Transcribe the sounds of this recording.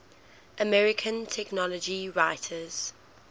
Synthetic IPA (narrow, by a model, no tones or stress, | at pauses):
ʔəmɛɹɪkʰə̃ntʰɛknɒləd͡ʒiɹaɪtʰəz̥